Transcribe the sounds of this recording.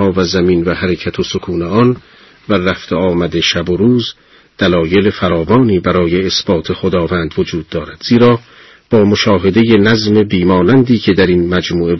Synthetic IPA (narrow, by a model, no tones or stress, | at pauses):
ɒːvæzæminvæhæɾecʰæt̪ʰosokʰuːneɒn | væræft̪eɒːmæd̪e̞ʃæboɾuːz | d̪̥ælɒːje̞lefæɾɒːvɒːniːbæɾɒːjeːsb̥ɒːt̪ʰe̞xod̪ɒːvænd̪vo̞d͡ʒuːd̪̚ːɒːɾæd̪̥z̥iːɾɒː | b̥ɒːmoʃɒːɦe̞d̪eje̞næzme̞biːmɒːnænd̪iːcʰe̞d̪æɾinmæd͡ʒmuːe̞